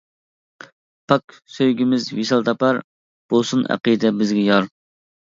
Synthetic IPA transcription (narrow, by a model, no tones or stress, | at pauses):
pʰɑk | søjɡʲimɪzwisɑlˠt̪ʰɑpɑɾ | b̥osunæ̰qid̪ɛbɪzɡʲɛjɑɾ